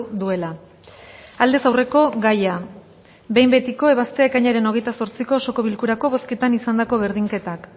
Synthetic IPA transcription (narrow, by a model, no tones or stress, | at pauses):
d̪ue̞la | ald̪e̞sawre̞ko̞ɣaja | be̞jmbe̞t̪iko̞e̞βast̪e̞ekaɲaɾe̞no̞ɣe̞jt̪asoɾt͡siko̞so̞ko̞βilkuɾako̞βo̞ske̞t̪anisand̪ako̞β̞e̞ɾðiŋke̞t̪ak